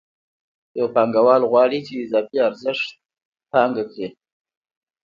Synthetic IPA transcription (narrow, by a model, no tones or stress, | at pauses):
jawpaŋɡawɑlɣwɑɽit͡ʃeɪzɑfiaɾzəʂt̪̚ | pɑŋɡakɽi